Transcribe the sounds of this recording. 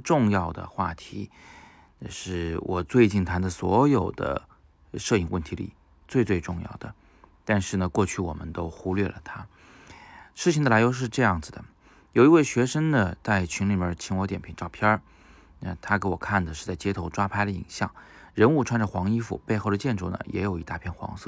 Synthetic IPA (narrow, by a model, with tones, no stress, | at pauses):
ʈ͡ʂʊ˥˧ŋjɑ˥˩ʊd̪ə̰˩xwa̰˥˩t̪ʰi˧˥ | na˥˧ʂɻ̩˥˩wʔɔ˨˩t͡swe˥˧ɪt͡ɕi˥˩nt̪ʰa˧˥nd̪ə˧swɔ˧˥jo˨˩ʊd̪ə̰˦ | ʂɤ˥˧i˥˩ŋwə˥˩nt̪ʰi˧˥lḭ˨˩ | t͡swe˥˧ɪt͡swe˥˧ɪʈ͡ʂʊ˥˧ŋjɑ̰˥˩ʊd̪ə˩ | t̪a˥˧nʂɻ̩˥˩nə˩kwɔ˥˧t͡ɕʰy˥˩wɔ̰˨˩mə˦nt̪o˥ʊxu˥lɥɛ̰˥˩lə̰˩t̪ʰa˥ | ʂɻ̩˥˩t͡ɕʰi˧ŋd̪əla˧˥ɪjo˧˥ʊʂ̬ɻ̩˥˧ʈ͡ʂɤ˥˧jɑ˥˩ŋd͡zɹ̩˩d̪ə̰˩ | jo˨˩ʊi˧˥we˥˩ɪɕɥɛ˧˥ʂə˥ŋd̪ə˨t͡sa˥˩ɪt͡ɕʰy˧˥ŋli˨˩bə˧˥t͡ɕʰi˧˥ŋwɔ˧˥t̪jɛ˨˩npʰi˧˥nʈ͡ʂɑ˥˩ʊpʰjɑ˥ | na˥˧t̪ʰa˥ke˧˥wɔ˨˩kʰa˥˩nd̪ə˩ʂɻ̩˥˧t͡sa˥˩ɪt͡ɕjɛ˥t̪ʰo˧˥ʊʈ͡ʂwa˥pʰa˥ɪd̪ə˧˨ḭ˨˩ŋɕjɑ̰˥˩ŋɻə˧˥nu˥˧ʈ͡ʂʰwa˥nʈ͡ʂə˨˩xwɑ˧˥ŋi˥fṵ˨˩pe˥˧ɪxo˥˩ʊd̪ə˩t͡ɕjɛ˥˧nʈ͡ʂu˥˩nə̰˩jɛ̰˧˥jo˨˩ʊi˧˥t̪a˥˧pʰjɛ˥˩nxwɑ̰˧˥ŋsɤ̰˥˩